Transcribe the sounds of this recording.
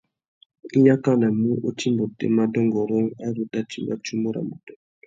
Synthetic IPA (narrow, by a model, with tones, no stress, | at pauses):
i˦ja˦ka˦na˨mu˦ʔo˦ti˦mbo˨tḛ˨ma˦dɔ˦ŋɡɔ˨ɾo˦ŋa˦ɾu˨ta˦t͡ʃḭ˦ŋba̰˦t͡ʃu˦mbo˦ɾa̰˨mo˨tɛ˨˦